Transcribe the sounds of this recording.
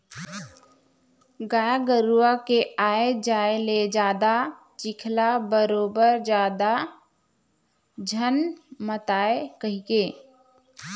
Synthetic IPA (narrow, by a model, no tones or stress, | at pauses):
ɡaːjaɡəɾuwakeaːed͡ʒaːeled͡ʒaːd̪a | t͡ʃɪkʰlabəɾoːbəɾd͡ʒaːd̪a | d͡ʒʱənmət̪aːekəɦikeː